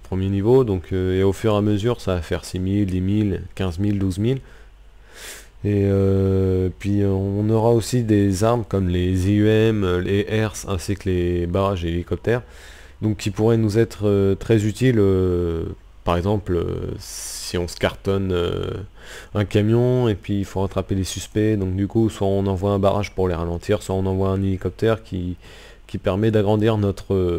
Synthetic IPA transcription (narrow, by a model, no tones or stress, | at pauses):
pχəmjenivod̪ɔ̃kʰøeofyʁaməzyʁsavafɛʁsimild̪imilkʲɛ̃zmild̪uzmil | eø | pɥiøɔ̃nɔʁaosid̪ezaʁmkɔmleziyɛmleʔɛʁsɛ̃siklebaʁaʒeelikɔp̚t̪ɛʁ | d̪ɔ̃kʰʲːipuʁɛnuzɛt̪χøt̪χɛzyt̪ilø | paʁɛɡzɑ̃plø̰ | iɔ̃sə̥kaʁt̪ɔnø̰ | ɛ̃kamjɔ̃epɥiːlfoʁat̪χapelesyspɛd̪ɔ̃k̚d̪ykuswaɔ̃nɑ̃vwaɛ̃baʁa̰ʒpuʁleʁalɑ̃t̪ʰiːʁswaɔ̃nɑ̃vwaɛ̃nelikɔp̚t̪ɛʁkʲʰi | kʲipɛʁmɛd̪aɡʁɑ̃d̪iʁnɔt̪χø